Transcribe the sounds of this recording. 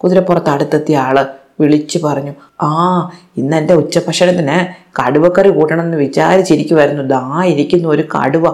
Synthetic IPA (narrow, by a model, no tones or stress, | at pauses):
kuðiɾepːurɐt̪ːɐɽut̪ːɐt̪ːijaːɭɨ | ʋiɭit͡ɕːɨpɐrɐɲːu | aː | inːende̞ut͡ɕːɐpɐkʂɐnɐt̪ːinɨkɐɽuʋɐkːɐrikuːʈːɐɳɐmenːɨʋit͡ɕa̰ːɾit͡ɕːiɾikʲːuʋɐɾunːud̪aːiɾikʲːunːɐo̞ɾukɐ̰ɽuʋɐ